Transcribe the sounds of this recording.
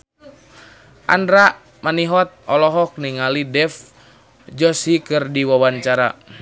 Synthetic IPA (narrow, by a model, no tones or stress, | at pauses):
ʔa̰ndɾa | maniɦɔt̪̚ɔlɔɦɔk̚niŋalidɛf | d͡ʒɔsikɨrdiwawaɲt͡ʃaɾa